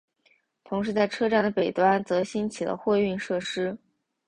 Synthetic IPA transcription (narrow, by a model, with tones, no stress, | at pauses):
t̪ʰʊ˧˥ŋʂ̬ɻ̩˧˥t͡sa˥˩ɪʈ͡ʂʰɤ˥ʈ͡ʂa˥˩nd̪ə˩pe˨˩ɪt̪wa˥nt͡sɤ˧˥ɕi˥nt͡ɕʰi˨˩lə̰˦xwe˥˧ɪy˥˧nʂɤ˥˩ʂɻ̩˥